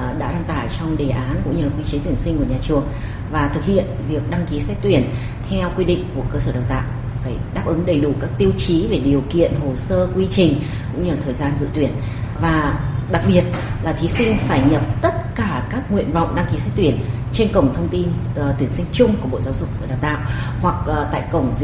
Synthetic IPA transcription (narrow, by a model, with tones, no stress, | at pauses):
ɗa̰ː˧˥ɗa˧ŋt̪a̰ː˧˩jt͡ɕɔ˧wŋ͡mɗe˨˩ʔaː˨˦nkʊ̰˧˥ŋ͡mɲɨ˧laː˨˩kwi˧t͡ɕe˨˦t̪wənsï˧ŋ̟ku˧˩ɲaː˨˩t͡ɕɨ˨˩əŋ | vaː˨˩t̪ʰɨ˨˩k̚hḭ˧˨ənvi˨˩ək̚ɗa˧ŋki˨˦sɛ˦˥t̚t̪wi˧˩ən | t̪ʰɛ˧wkwi˧ɗḭ̈˧˨ŋ̟ku˧˩əkəː˧səː˧˩ɗə˨˩wt̪a̰ː˧˨j | faː˧˩jɗaː˦˥p̚ʔɨ˨˦ŋɗə˨˩jɗu˧˩kaː˦˥k̚t̪i˧əwt͡ɕi˨˦ve˨˩ɗi˨˩əwkḭ˧˨ənɦo˨˩səː˧kwi˧t͡ɕï˨˩ŋ̟ | kʊ̰˧˥ŋ͡mɲɨ˧la˨t̪ʰəː˨˩jzaː˧nzɨ̰˧˥t̪wi˧˩ən | vaː˨˩ɗa˨˩k̚ɓi˨˩ət̚laː˨˩t̪ʰi˨˦sï˧ŋ̟faː˧˩jɲə˨˩p̚t̪ə˦˥t̚kaː˧˩kaː˦˥k̚ŋḭ˧˨ənva̰˧˨wŋ͡mɗa˧ŋki˨˦sɛ˦˥t̚t̪wi˧˩ən | t͡ɕe˧nkə̰˧˩wŋ͡mt̪ʰə˧wŋ͡mt̪i˧n˨t̪wi˧˩ənsï˧ŋ̟t͡ɕʊ˧ŋ͡mku˧˩əɓo̰˧˨zaː˨˦wzʊ˨˩k͡p̚ːɗaː˨˩wt̪a̰ː˧˨whwa˨˩k̚t̪a̰ː˧˨jkə˧˩wŋ͡mz